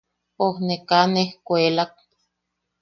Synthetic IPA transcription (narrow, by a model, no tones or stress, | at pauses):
ohnekanehkʷelak̚